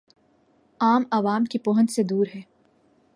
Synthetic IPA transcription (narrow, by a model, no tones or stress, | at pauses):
aːmɐʋaːmkipɔːɦə̃nt͡ʃsed̪uːɾɦɛː